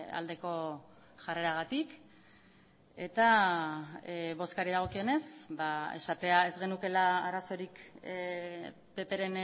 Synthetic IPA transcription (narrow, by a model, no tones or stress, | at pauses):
a̰ld̪e̞ko̞ | ʝare̞ɾaɣ̞at̪ik | e̞t̪a | βo̞skaɾiðaɣ̞o̞kio̞ne̞sbae̞̰ʃat̪e̞ae̞zɣe̞nuke̞laːɾaso̞ɾik | pe̞pe̞ɾe̞n